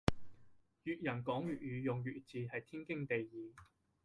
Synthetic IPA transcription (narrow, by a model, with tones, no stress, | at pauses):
jyː˨t̚jɐ˨˩nkɔː˨˥ŋɥyː˨t̚jyː˨˧jʊ˨ŋjyː˨t͡siː˨˧hɐ˨jt̪ʰiː˥nkɪ˥ŋt̪e˨jːiː˨˧